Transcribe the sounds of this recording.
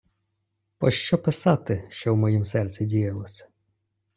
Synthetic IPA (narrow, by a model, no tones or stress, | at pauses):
pɔʃt͡ʃɔpɪsɑt̪ɪʃt͡ʃɔwmɔjimsɛrsʲidʲijɐlˠɔsʲɐ̥